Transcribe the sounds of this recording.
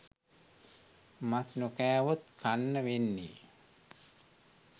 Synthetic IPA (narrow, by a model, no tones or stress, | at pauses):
masnokæːʋot̪kanːəʋenːḭː